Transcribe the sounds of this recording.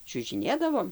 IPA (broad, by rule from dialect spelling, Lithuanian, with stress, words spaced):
t͡ʃʲʊʒʲɪˈnʲeːdɐʋoːm